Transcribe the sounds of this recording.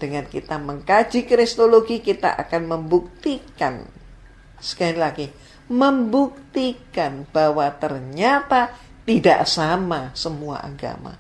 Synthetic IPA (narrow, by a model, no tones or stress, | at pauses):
d̥əŋankit̪aməŋkḁd͡ʒikɾist̪oloɡikit̪a̰ʔa̰kanməmbuk̚t̪ikan | sə̥kailaɡi | məmbuk̚t̪ikanb̥awat̪ərɲat̪a | t̪ida̰ʔsamasəmua̰ʔa̰ɡa̰ma̰